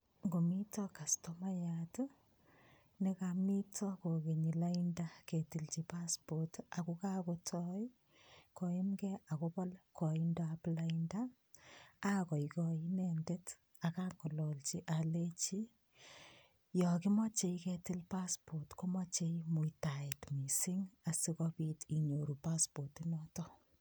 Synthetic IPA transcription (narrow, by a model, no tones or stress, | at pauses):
ŋɡomitɔkastɔmajat | nekamitʰɔkokeɲilaindaketilt͡ʃipaspotakukakotʰɔj | kɔimkɛakopɔlkɔindaaplaindaː | kɔjkɔinendet | akaŋɡɔlɔlt͡ʃiʔalet͡ʃi | jɔkɪmɔt͡ʃejketɪlpaspotkomat͡ʃeimuitaetmisiŋasikɔpitiɲoɾupaspotinɔtɔ